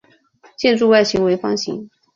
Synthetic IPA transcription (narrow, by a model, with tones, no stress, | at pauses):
t͡ɕjɛ˥˧nʈ͡ʂu˥˧wa˥˩ɪɕi˧˥ŋwe˧˥ɪfɑ˥ŋɕḭ˧˥ŋ